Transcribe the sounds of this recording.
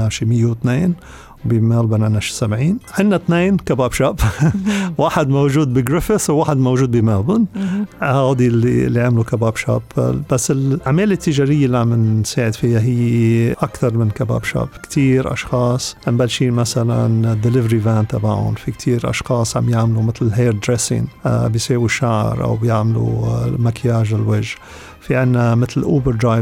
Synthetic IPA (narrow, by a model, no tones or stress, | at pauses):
aʃimɪjːewɪt̪neːn | wbimaːlbanʕɪnːaʃi̥sabʕiːnʕɪnːat̪neːnkabaːbʃab | waːħɪd̪mowʒuːd̪̚biɡɾɪfɪswaːħɪd̪mowʒuːd̪̚bimaːbʊnhaːd̪ilːḭlːiʕamlukababʃa̰ːbbasːɪlaʕmeːlɪt̪ːɪʒaːɾɪjːalːiʕamɪnseːʕɪd̪fijːaɦɪjːeʔakt̪ɑɾˤmɪnkaba̰ːbʃa̰ːpkt̪ʰiːɾʔɑ̰ʃxɑːsˤʔɪmbalʃiːmasala̰nd̪ːɪlɪvɾivaːnt̪aba̰ʕʊ̰nfikt̪ʰiːɾʔɑ̰ʃxɑːsˤʕambjaʕmlumɪt̪lɦeːɾd̪ɾesɪ̰nbɪjseːwiʃaʕɾʔa̰wbjɪʕmlṵmakjaːʒɪlwɪʒ | fiʕɪnːamɪt̪lʔuːbəɾd̪ɾaj